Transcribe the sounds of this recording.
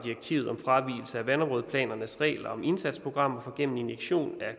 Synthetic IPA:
d̥ieɡ̥̚t͡sʰḭʊð̩ˠɒ̽mfʁɑ̈ʋḭːl̩səæʋænɒmʁɔð̞ˠpʰlɛ̰ːnɐnəsʁɛ̰ːlɐɒ̽me̝nsæd̥spʰo̝ɡ̥ʁɑ̈m̰ɒfɒ̽ɡ̥en̰n̩enjeɡ̥ɕo̝̰ːnæ

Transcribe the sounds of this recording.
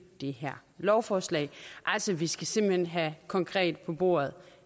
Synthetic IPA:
d̥e̝ɦæɐ̰lɒʊfɒːslɛ̰ɪʔal̰sɒʋisɡ̥æse̝m̰b̥l̩henɦækʰɒ̽ŋkʰʁɛ̰ːd̥pʰɒ̽b̥o̝̰ːɐ̰ð̞̩ˠ

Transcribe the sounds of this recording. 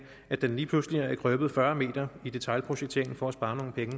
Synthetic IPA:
æd̥enliːpʰlusliɐæɡ̥ʰʁœb̥ð̞̩ˠfɶɐme̝̰ːd̥ɐid̥e̝t͡sʰɑ̈ɪlpʰʁoɕeɡ̥̚t͡sʰe̝ɐeŋn̩fɒ̽æsb̥ɑ̈ːno̝ːn̩pʰeŋə

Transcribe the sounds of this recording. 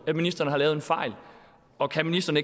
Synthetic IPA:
æminisd̥ɐnəhɑ̈lɛːʊð̩ˠe̝nfɑ̈ɪ̰l | ɒ̽kʰæminisd̥ɐnəe̝

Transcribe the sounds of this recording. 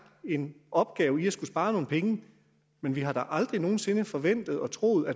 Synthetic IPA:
e̝nʔɒ̽b̥ɡ̥ɛːʊiæsɡ̥usb̥ɑ̈ːno̝ːn̩pʰeŋə | menʋiɦɑ̈ɾ̥ɑ̈ʔɑ̈ld̥ʁino̝ːn̩se̝nəfɒ̽ʋen̰d̥ð̩ˠɒ̽t͡sʰʁo̝ːð̩ˠæ

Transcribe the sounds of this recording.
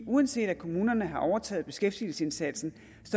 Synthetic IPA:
ʔuænse̝̰ːd̥ækʰo̝muːnɐnəɦɑ̈ʔɒʊɐt͡sʰɛ̰ːð̞̩ˠb̥e̝sɡ̥efd̥il̩səe̝nsæd̥sn̩ | sɒ

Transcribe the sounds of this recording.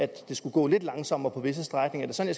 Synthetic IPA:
æd̥e̝sɡ̥uɡ̥ɔ̰ːle̝d̥lɑ̈ŋsɒ̽m̰ɐpʰɒ̽ʋe̝s̬əsd̥ʁaɡ̥ne̝ŋɐd̥e̝sɒ̽njɑ

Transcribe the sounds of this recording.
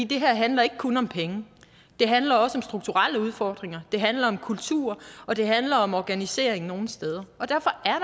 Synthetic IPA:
ḭd̥e̝ɦæɐ̰ɦænlɐe̝ɡ̥ə̥kʰɔnɒ̽mpʰeŋə | d̥e̝ɦænlɐɒ̽səɒ̽msd̥ʁuɡ̥̚t͡sʰuʁaləuð̞ˠfɒːd̥ʁeŋɐd̥e̝ɦænlɐɒ̽mkʰult͡sʰṵɐ̰ɒ̽d̥e̝ɦænlɐɒ̽mɒɡ̥ænise̝̰ɐ̰eŋno̝ːn̩sd̥eð̞ˠɐɒ̽d̥æɐfɒ̽ʔæɐɾ

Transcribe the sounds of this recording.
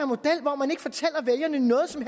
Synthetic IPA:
ɐnmo̝d̥el̰ʋɒmæneɡ̥fɒt͡sʰel̰ɐʋeljɐnənɔ̽ːð̩ˠsɒ̽mɦ

